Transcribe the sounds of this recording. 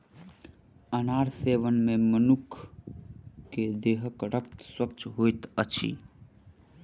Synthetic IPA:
ənaɾseʋənmemənukʰ | ed̪eɦəkɾəkt̪swəkt͡ʃɦojt̪ət͡ʃʰḭ

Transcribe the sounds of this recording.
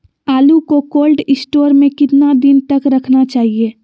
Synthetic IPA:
aːlukokoːlɖɪsʈoːɾmẽkɪt̪nad̪ɪnt̪ɐkɾɐkʰnat͡ʃaːɦieː

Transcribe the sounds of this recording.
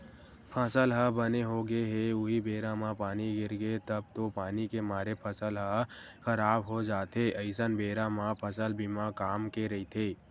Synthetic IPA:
pʰəsəlɦəbəneɦoɡeɦeʊɦibʱeːɾãmãpaːniɡɪɾɡet̪əb̚t̪opaːnikemaːɾepʰəsəlɦəxəɾaːbɦod͡ʒaːt̪eʔɐɪsənbeːɾãmãpʰəsəlbʱimãkaːmkeɾɐit̪ʰeː

